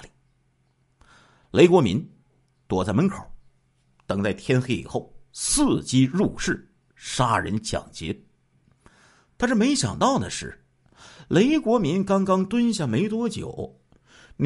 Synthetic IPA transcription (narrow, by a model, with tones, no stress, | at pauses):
li˨˩ | le˧˥ɪkwɔ˧˥mḭ˧˥n | t̪wɔ˨˩t͡sa˥˩ɪmə˧˥nkʰo˨˩˦ʊ | t̪ɤ˨˩ŋt͡sa˥˩ɪt̪ʰjɛ˥nxe˥ɪḭ˨˩xo˥˩ʊsɹ̩˥˩t͡ɕi˥ɻu˥˧ʂɻ̩˥˩ | ʂa˥ɻə̰˧˥nt͡ɕjɑ̰˨˩ŋt͡ɕjɛ̰˧˥ | t̪ʰa˥ʂɻ̩˥˩me˧˥ɪɕjɑ̰˨˩ŋt̪ɑ˥˩ʊd̪ə̰˩ʂɻ̩˥˩ | le˧˥ɪkwɔ˧˥mi˧˥nkɑ˥ŋkɑ˥ŋt̪wə˥nɕja˥˩me˧˥ɪt̪̬wɔ˥t͡ɕjo̰˨˩˦ʊ | n